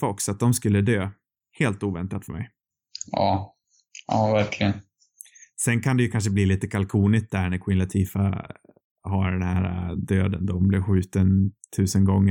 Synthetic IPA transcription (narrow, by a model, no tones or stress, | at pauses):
fɔksat̪̚d̪ɔmskɵlːəd̪øː | heːlt̪uːvɛnt̪at̪fœɾmɛ̰j | ɑː | ɑːvæɾkʰlɪɡən | sɛnkʰand̪ɛjɵkʰanʂ̬əbliːliːt̪əkʰalkʰuːnɪskt̪̚d̪æɳæɾkʰwɪnlat̪ʰiːfa̰ | haɖɛnhæːɾa̰d̪øːd̪ənd̪ɔmblɪɾɧʉ̟ːt̪ənt̪ʰʉ̟ːsənɡɔŋːə